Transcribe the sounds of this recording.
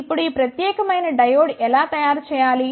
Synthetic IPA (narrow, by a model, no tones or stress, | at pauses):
ɪpɽiːpɾɐt̪jeːkmɐjnɖɐjoːɽelat̪ɐjaːɾt͡ʃʰɐjaːliː